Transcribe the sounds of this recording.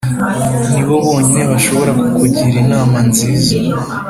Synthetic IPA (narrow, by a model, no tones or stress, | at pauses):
niβo̞βo̞ːɲine̞βaʃo̞βo̞ɾakukuɟiɾinaːmanziːza